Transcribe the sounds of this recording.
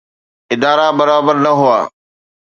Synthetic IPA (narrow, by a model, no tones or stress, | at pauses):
ɪd̪aːɾaːbəɾaːbəɾnəɦʊa̰ː